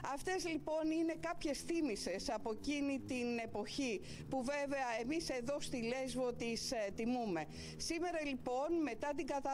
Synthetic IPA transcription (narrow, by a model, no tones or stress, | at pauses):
ɐft̪e̞zlipo̞nine̞kɐpçe̞sθimise̞sɐpo̞cinit̪ine̞po̞çi | puveve̞ɐe̞mise̞ðo̞st̪ile̞zvo̞t̪ist̪imume̞ | sime̞ɾɐlipo̞nme̞t̪ɐt̪iɡɐt̪ɐ